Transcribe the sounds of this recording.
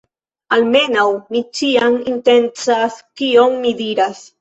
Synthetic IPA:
alme̞nawmit͡ʃiaminte̞nt͡saskio̞mːidiɾas

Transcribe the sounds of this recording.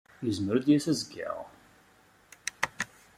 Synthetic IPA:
jəzməɾud̪jæsæzɡə̰ʁ

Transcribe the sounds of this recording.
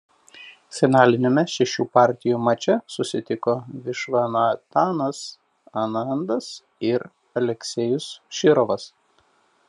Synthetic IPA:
sʲɛnɑːlʲɪnʲemʲɛʃʲɛʃʲuːpɑˑɾʲt̪ʲɪjuːmɐt͡ʃʲɛsʊsʲɪt̪ʲɪkoʋʲɪʃʋɑnɐt̪ɑːnɐs | ɐnɐnd̪ɐs | ɪɾ | ɐlʲɛkʲsʲɛjʊsʃʲɪɾɔʋɐs

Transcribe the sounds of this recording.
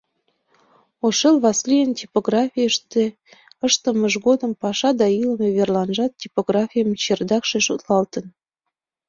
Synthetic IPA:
oʃelβɑslʲijəntʲipoɣrɑfʲijəʃt̪e | əʃt̪əməʒɣod̪əmpɑʃɑd̪ɑilmeβerlɑnʒɑt̪̚tʲipoɣrɑfʲijəmt͡ɕerd̪ɑkʃeʃut̪lɑlt̪ən

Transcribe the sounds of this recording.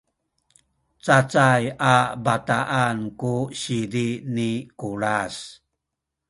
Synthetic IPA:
t͡sat͡sajabataʔankuɕidinikuɾas

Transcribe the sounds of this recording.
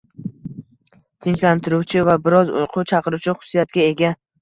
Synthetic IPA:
t̪ʰɪnt͡ʃlant̪ʰɪɾuwt͡ʃʰɪvabɪɾɒzʊ̰jqʰʊt͡ʃʰɑqɨɾuwt͡ʃʰɪχʊ̥sijat̪̚ɡʲae̞ɡʲa

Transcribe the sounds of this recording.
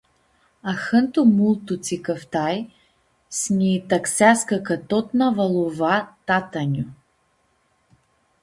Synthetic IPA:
axənt̪umulˠt̪ut͡s̪ikəft̪aj | snʲit̪ɐksʲaskakɐt̪ɔt̪navɐlˠuvat̪at̪anʲu

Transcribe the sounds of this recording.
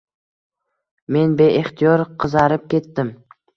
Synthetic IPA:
me̞nbe̞ʔeχt̪ʰijɒɾqʰɨzaɾɪp̚kʲe̞t̪ːɪm

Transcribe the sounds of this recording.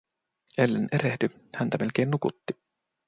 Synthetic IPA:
elːenʔeɾehdyhænt̪æme̞lk̟e̞ːnːukut̪ːi

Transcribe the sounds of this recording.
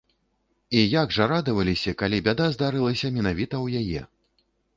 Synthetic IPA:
ijaɡʐɐɾad̪ɐvɐlʲisʲɐkalʲibʲad̪azd̪aɾɨlˠɐsʲɐmʲɛnavʲit̪ɐwjajɛ̰

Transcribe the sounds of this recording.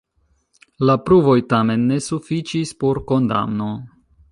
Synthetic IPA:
lapɾuvo̞jtame̞nːe̞sufit͡ʃispo̞ɾko̞nda̰mno̞

